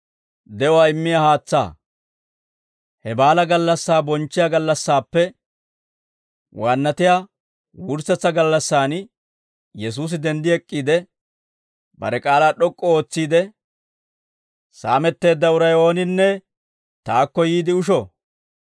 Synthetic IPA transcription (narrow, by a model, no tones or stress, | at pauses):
d̪ɛɔwaɪmːɪjahaːt͡sːa̰ː | hɛbaːlɐɡɐlːɐsːaːbɔnt͡ʃːɪjaɡɐlːɐsːaːpːɛ | wʔaːnːɐt̪ɪjaː | wʊɾsɐt͡sːɐɡɐlːɐsːaːn | jɛs̬uːs̬ɪd̪ɛnd̪ɪɛkʼːiːd̪ɛ | bɐ̰ɾɛkʼaːlaːɗɔkʼːɔo̞ːt͡sːiːd̪ɛ | saːmɛt̪ːe̞ːd̪ːɐʊɾɐjo̞ːnɪnːɛ | t̪aːkːɔjiːd̪ɪʊʃɔ